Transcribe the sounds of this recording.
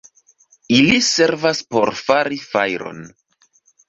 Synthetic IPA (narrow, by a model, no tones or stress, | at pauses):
ilise̞ɾvaspo̞ɾfaɾifajɾo̞̰n